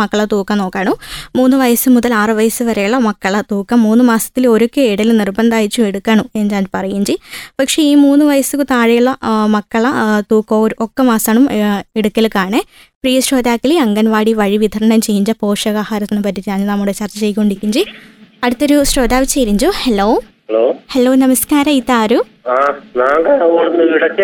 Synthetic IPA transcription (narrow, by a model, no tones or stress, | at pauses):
mɐkːɐɭɐt̪uːkːɐmno̞ːkːaːɳumuːnːuʋɐjɐsɨmuðɐlaːrɨʋɐjɐsɨʋɐɾejuɭːɐmɐkːɐɭɐt̪uːkːɐmːuːnːɨmaːsɐt̪ːilo̞ɾokːeiɽɐlnirbɐnd̪aːjit͡ɕːueɽukːaːɳuenːd͡ʑaːɲpɐrɐjiɲd͡ʑipɐkʂe̞iːmuːnːuʋɐjɐsukɨt̪aːɻɐjuɭːɐmɐkːɐɭɐt̪uːkːoɾokːɐmaːsaːɳumeɽukːɐlkːaːɳɨ | priːjɐɕɾoːd̪aːkːiliɐŋɡɐnʋaːɽiʋɐɻiʋid̪ʱɐɾɐɳɐmt͡ɕe̞jːiɲd͡ʑɐpo̞ːʂɐɣaːhaːɾɐt̪ːinːɨpɐtːit̪ːiaːɲɨnɐmːuɽet͡ɕɐrt͡ɕːɐt͡ɕejikːo̞ːɳɖiikʲːuɲd͡ʑiɐɽut̪ːo̞ɾuɕɾo̞ːd̪aːʋit͡ɕːeːɾiɲd͡ʑuheloː | ɐloːhelo̞ːnɐmɐskaːɾɐit̪ːaːɾu | aːnaːŋɡɐɐoɽunːɨʋiɽɐkːe